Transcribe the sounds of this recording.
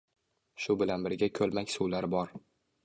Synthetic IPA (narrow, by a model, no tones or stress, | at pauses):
ʃʊbɪlanbɪɾɡʲakʲʰɵlˠmakʲsuwlaɾbɒɾ